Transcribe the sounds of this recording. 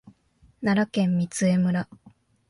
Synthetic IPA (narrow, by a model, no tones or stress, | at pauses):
naɾakẽ̞mːʲit͡sɨe̞mɯ̟ɾa